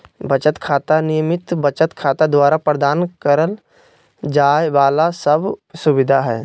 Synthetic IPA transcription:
bət͡ʃət̪kʰaːt̪anɪjəmɪt̪bət͡ʃət̪kʰaːt̪ad̪waːɾapɾəd̪aːnkəɾəl | d͡ʒaːjʋaːlasəbsʊbɪd̪ʱaɦɛː

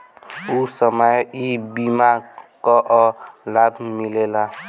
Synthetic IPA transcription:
usʌmʌjibimaɡkɔʔlabʱmilela

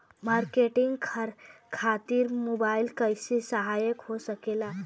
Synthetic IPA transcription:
maɾkeʈiŋɡkʰɾ | kʰat̪iɾmobailkəjsisəɦajəkɦosəkela

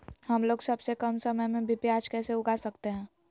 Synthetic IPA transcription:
ɦɐmloːɡsɐbsekɐmsɐməjmẽbʱipjaːd͡ʒkɛːseʊɡasɐkt̪eɦɛ̃ː

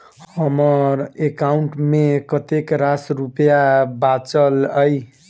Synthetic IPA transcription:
hʌmʌɾekauɳʈmekʌt̪ekɾasɾupjabat͡səlʌj

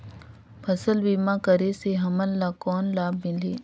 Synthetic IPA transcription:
pʰɐsəlbiːmãkəɾeseɦɐmənlaːkɔːnlaːbmɪl̤eː

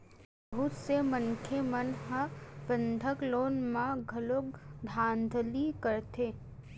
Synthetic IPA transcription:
ɦʊt̪semənkʰemənɦə̃bə̃nd̪ʱəkloːnmãɡʱɐlok̚d̪ʱãːnd̪ʱlikɐɾt̪eː

